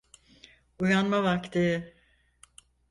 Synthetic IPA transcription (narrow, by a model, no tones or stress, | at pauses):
ujanmavakt̪ʰi